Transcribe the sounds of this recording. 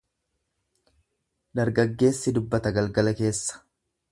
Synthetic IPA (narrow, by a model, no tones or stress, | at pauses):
d̪ɐɾɡɐɡːe̞ːsːɪd̪ʊbːɐt̪ɐɡɐlɡɐlɐke̞ːsːɐ̥